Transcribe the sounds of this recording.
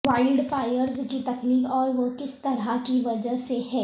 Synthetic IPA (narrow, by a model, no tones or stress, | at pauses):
ʋaːɪlɖfaːɪjəɾzkit̪ɐkniːkɔːɾʋokɪst̪ɐɾakiʋɐd͡ʒəseɦɛː